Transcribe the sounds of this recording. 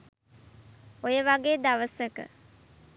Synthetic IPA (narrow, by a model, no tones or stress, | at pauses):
ojəʋaɡeːd̪ɐʋəsekə̰